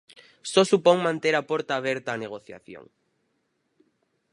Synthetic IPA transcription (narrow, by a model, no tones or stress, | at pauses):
sɔsupoŋmãnt̪eɾapoɾt̪aːβ̞eɾt̪aːneɣ̞oθja̰θjo̰ŋ